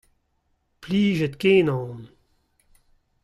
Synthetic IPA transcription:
pliːʒɛt̪keːnɑ̃ːn

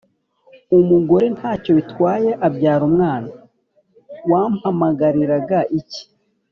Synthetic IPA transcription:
umuɡo̞ɾe̞n̥haːco̞βitwaːje̞ʔabɟaːɾumŋaːna | wamhamaɡaɾiɾaɡaʔici̥

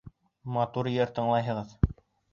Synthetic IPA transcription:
mɑt̪uɾjɘɾt̪ɤ̆ɴlˠɑjɦɤ̆ʁɤð

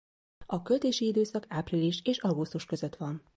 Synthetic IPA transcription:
ɒkø̞lt̪eːʃiid̪øːsɒkaːpriliʃeːʃɒɡust̪uʃkø̞zø̞t̪ʋɒn

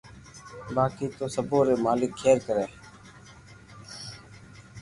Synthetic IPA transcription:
baːkiːt̪oːsəboːɾeːmaːlɪkʰːeːɾkəɾeː

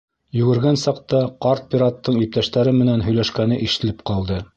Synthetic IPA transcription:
jʉ̆ɡɘ̆ɾɡænsɑqt̪ɑqɑɾt̪̚pʲiɾɑt̪ːɤɴip̚t̪æʃt̪æɾɘmɘ̆nænɦɵ̆jlæʃkænɘʔĭʃɘ̆lɘp̚qɑlˠd̪ɤ

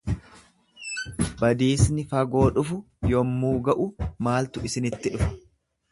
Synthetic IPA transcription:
bɐd̪iːsnɪfɐɡo̞ːᶑʊfʊ | jɔmːuːɡɐʔʊmaːlt̪ʊɪsɪnɪt̪ːɪᶑʊfɐ̥

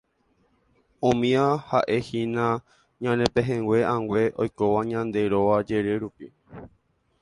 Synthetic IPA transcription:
õmĩãhaʔe̞hĩnã | ɲãnẽpẽɦẽŋɡwʷe̞ãŋɡʷe̞ʔojko̞ʋaɲãnd̪e̞ɾoʋad͡ʒe̞ɾeɾupi

